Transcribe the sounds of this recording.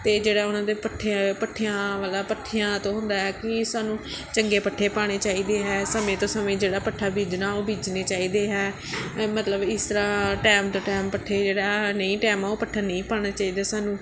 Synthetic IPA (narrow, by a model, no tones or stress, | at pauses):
t̪eːd͡ʒeːɽaːʊnãːd̪eːpəʈʰːepəʈʰːejãːʋaːlaːpəʈʰːejãːt̪õːɦʊnd̪aːɦɛːkɪsaːnũː | t͡ʃəŋɡeːpəʈʰːeːpaːɽ̃eːt͡ʃaːiːd̪eːɦɛːsəmẽːt̪õːsəmẽːd͡ʒeːɽaːpəʈʰːaːbʱiːd͡ʒnaːoːbʱiːd͡ʒneːt͡ʃaːiːd̪eːɦɛː | mət̪ləbɪst̪əɾaːʈɛːmt̪õːʈɛːmpəʈʰːeːd͡ʒeːɽaːnəĩːʈɛːmãːoːpəʈʰːaːnə̃ĩːpaːɽ̃aːt͡ʃaːiːd̪aːsaːnũː